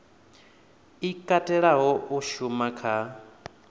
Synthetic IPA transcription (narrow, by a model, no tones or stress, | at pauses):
ikʼatʼɛɺaɦɔʔuʃumakʰa